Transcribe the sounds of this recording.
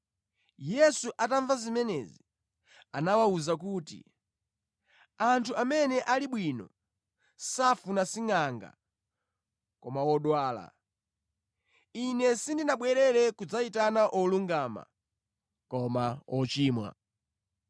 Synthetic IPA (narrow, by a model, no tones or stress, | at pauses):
jɛsuʔataɱvazimɛnɛzi | anawauzakuːtḭ | antʰuamɛnɛʔaliɓwinɔ̰ | safunasiŋaŋɡa̰ | kɔmawɔɗwaːla̰ | inɛsindinaɓwɛɾɛɾɛkud͡zaitanaʔɔluŋɡaːma̰ | kɔmaɔt͡ʃiːmwa̰